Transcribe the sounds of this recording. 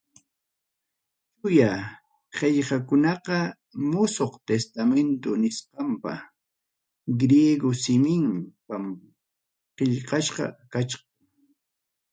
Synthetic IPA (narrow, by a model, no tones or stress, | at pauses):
t͡ʃʊja | ɢeʎhakʊnɑqɑ | mʊsoqt̪est̪ament̪ʊnɪsqɑmpa̰ | ɡɾjeɡosɪmɪmpam | qeʎqɑʃqɑ̰kat͡ʃqɑŋ